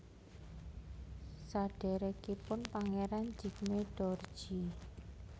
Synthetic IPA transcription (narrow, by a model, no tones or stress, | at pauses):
saɖ̥ɛ̤ɾɛkipʊnpaŋeɾand͡ʒi̤kmeɖ̥ɔr̥ʒ̥i